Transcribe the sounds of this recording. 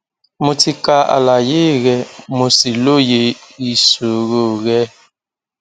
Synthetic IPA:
mu˨ti˨ka˨˦a̰˨la˨je˦ɣɛ˨mo˨si˨lo˦je˨i˨so˨ɣo˦˨ɣɛ˦

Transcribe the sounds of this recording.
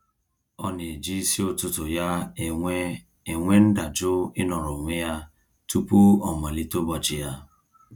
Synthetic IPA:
ɔ˦ne˨d͡ʒi˦si˦o˦tʊ˦tʊ˨ja˦˨˦ | e˨ŋʷe˦n̩˦da˨d͡ʒʊ˦ɪ˦nɔ˨ɾɔ˨ŋʷe˦ja˦ | tu˦pu˦ɔ˨ma˨li˦to˦bɔ˨t͡ʃɪ˨ja˦

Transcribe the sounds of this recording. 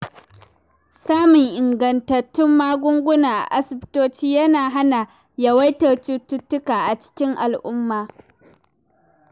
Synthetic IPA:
saː˦mʊ˨ŋʔɪ˨ŋɡɐ˨ntɐ˨tːʊ˦mːaː˦ɡʷʊ˦ŋɡʷʊ˦naː˨ʔa̰˨ʔa˦sɪ˨btoː˦t͡ʃiː˦jɐ˦naː˨ɦa˦na˨ | jɐ˨wɐ˦jtɐ˨rt͡ʃi˦tːʊ˦tːʊ˦kaː˨ʔa˨t͡ʃɪ̥˦kʲɪ˦ŋʔa˨lʔʊ˦mːaː˨

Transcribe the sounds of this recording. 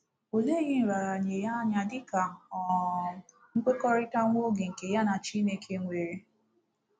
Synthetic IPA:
o˨le˦ɣɪ˦n̩˨ɾa˨ɾa˨ɲe˨ja˦ɲa˨dɪ˦ka˨ | ŋ̩˦k͡pʷe˦kɔ˦ɾɪ˦ta˦ŋʷo˦ɡe˨ŋ̩˨ke˨ja˦na˨t͡ʃi˦ne˦kʰe˦ŋʷe˨ɾe˦

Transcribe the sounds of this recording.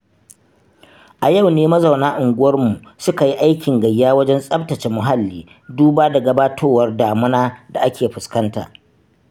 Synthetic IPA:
ʔa˨ja˦˨wneː˦mɐ˦za˨wnaː˦ʔʊ˨ŋɡʷʊ˦wɐ˦rmu˨ʔsʊ˦ka˨ji˦ʔa˦jkʲɪ˨ŋɡɐ˨jːaː˦wɐ˦d͡ʒɛ˦nsʼɐ˦btɐ˨t͡ʃe˨mʊ˨ɦa˦lːiː˦ | duː˦baː˦da˨ɡɐ˨baː˦tʰoː˦wɐ˦rdaː˨mʊ˦naː˦da˨ʔa˦kʲeː˨ɸʊ˨skɐ˦nta̰ː˨ʔ

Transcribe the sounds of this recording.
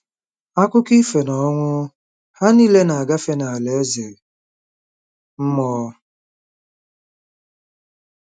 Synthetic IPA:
a˦kʷʊ˦ki˦fe˨nɔ˦ŋʷʊ˦ | ha˦ni˦le˦na˨a˨ɡa˦fe˦na˨a˨le˨e˦zɪ˨ | m̩˦mɔː˦

